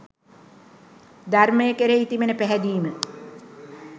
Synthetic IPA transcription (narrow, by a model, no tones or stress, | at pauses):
d̪arməjekəɾeit̪imenəpæɦæd̪iːmə